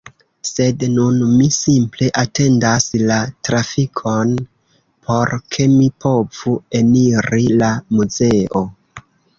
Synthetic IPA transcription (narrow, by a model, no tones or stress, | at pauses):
se̞dnunmisimple̞ʔate̞ndaslatɾafikʰo̞n | pʰo̞ɾkʰe̞mipo̞v̥ue̞niɾilamuze̞o̞